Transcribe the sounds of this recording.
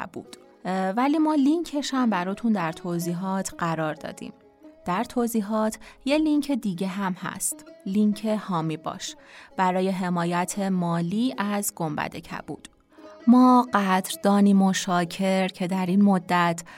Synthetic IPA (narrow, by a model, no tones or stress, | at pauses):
bṵːd̪̥ | væliːmɒːliŋcʰe̞ʃhæmbæɾɔːt̪ʰund̪æɾt̪ʰoːziːɦɒːt̪ʰɢ̥æɾɒːɾd̪ɒ̰ːd̪̥ḭm | d̪̥æɾt̪ʰoːziːɦɒːt̪ʰje̞liŋcʰed̪iːɟe̞ɦæmhæ̰st̪liŋcʰe̞hɒːmiːbɒ̰ːʃb̥æɾɒːje̞ɦe̞mɒːjæt̪ʰe̞mɒːliːʔæzɡombæ̰d̪e̞̰cʰæ̰b̥ṵːd̪̥ | mɒːɢæd̪ɾd̪ɒːniːmoʃɒːcʰe̞ɾcʰe̞d̪æɾiːnmod̪ːæt̪ʰ